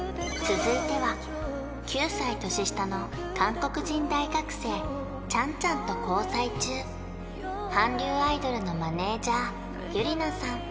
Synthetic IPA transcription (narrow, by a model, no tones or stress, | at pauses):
t͡sɨzɨit̪e̞βa | kʲɨːsait̪o̞ɕiɕi̥t̪ano̞ | kãŋko̞kɯ̟ʑĩnd̪aiɡakɯ̟̥se̞ː | t͡ɕãɲ̟t͡ɕãnt̪o̞ko̞ːsait͡ɕɨː | hãɲɾʲɨːaid̪o̞ɾɯ̟no̞mane̞ːd͡ʑaː | ɡ̥ʲɯ̟ɾʲinasãŋ